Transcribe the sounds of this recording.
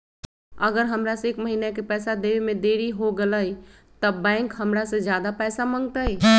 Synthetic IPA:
əɡəɾɦəmɾaseeːkməɦinakepɛːsad̪eemẽd̪eːɾiɦoɡələi | t̪əbːɛ̃ɪŋkɦəmɾasẽd͡ʒjaːd̪apɛːsamə̃ŋɡt̪ai

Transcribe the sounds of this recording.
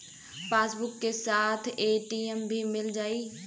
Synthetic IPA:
paːsbʊkːesaːt̪ʰeːʈiːəmbʱimɪld͡ʒaːiː

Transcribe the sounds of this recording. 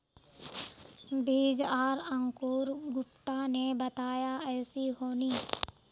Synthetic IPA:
biːd͡ʒaːɾə̃ŋkuːɾɡʊpt̪anebət̪aːjaɛːsiɦoːniː

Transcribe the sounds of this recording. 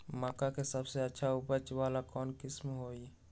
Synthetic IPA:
maːkakesəbseɐtːʃʰaʊpət͡ʃʋaːlakɔːnkɪsmɦoːi

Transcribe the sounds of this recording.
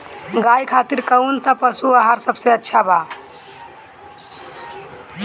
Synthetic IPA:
ɡajkʰat̪iɾkəwnsə̃pəsuəɦaɾsəbseətːʃʰaba

